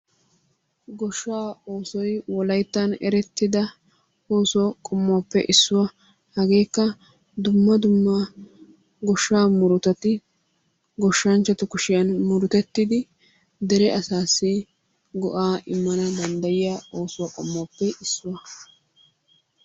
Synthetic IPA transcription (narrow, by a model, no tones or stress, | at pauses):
ɡɔʃːaːoːsɔjwɔlɐjt̪ːɐnɛɾɛt̪ːɪd̪ɐ | o̞ːsʊakʼɔmːʊaːpːɛʔɪsːʊwɐ | hɐɡe̞ːkːɐ | d̪ʊmːɐd̪ʊmːɐ | ɡɔʃːaːmʊɾʊt̪ɐt̪ɪ | ɡɔʃːɐnt͡ʃːɐt̪ʊkʊʃɪjɐnmʊɾʊt̪ɛt̪ːɪd̪ɪ | d̪ɛɾɛʔɐsaːsːɪ | ɡɔʔaːʔɪmːɐnɐd̪ɐnd̪ɐjɪjao̞ːsʊwɐkʼɔmːaːpːɛɪsːʊwɐ